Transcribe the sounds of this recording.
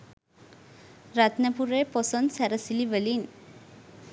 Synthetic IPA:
ɾat̪nəpuɾeːpɔsonsɛɾəsiliʋəlin

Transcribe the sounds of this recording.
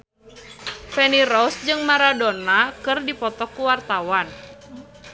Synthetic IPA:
fɛniɾɔsd͡ʒɨŋmaɾadonakɨrdipɔt̪ɔkuwart̪awan

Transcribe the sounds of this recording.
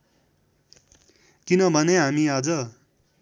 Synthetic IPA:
kinʌbʱʌneɦamiad͡zʌ

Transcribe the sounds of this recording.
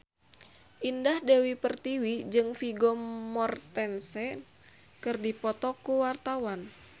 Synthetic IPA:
ʔindahdɛwipərt̪iwid͡ʒɨŋfiɡɔmɔrt̪ɛnsɛ | kɨrdipɔt̪ɔkuwart̪awan

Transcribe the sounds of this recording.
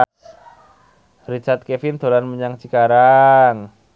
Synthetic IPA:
rit͡ʃart̪̚kefint̪olanməɲaŋsikaɾaŋ

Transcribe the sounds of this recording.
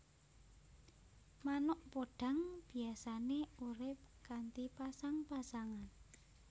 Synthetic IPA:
manʊʔpoɖ̥ä̤ŋb̥i̤asaneuɾɪp̚kant̪ipasaŋpasaŋan

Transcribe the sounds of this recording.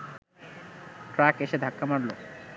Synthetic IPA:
ʈɾakeʃed̪ʱakːamaɽlo

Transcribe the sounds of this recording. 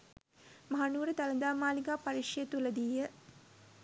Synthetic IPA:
maɦanuːɾəd̪aləd̪aːmaːliɡaːpaɾiʂjət̪uləd̪iːjə

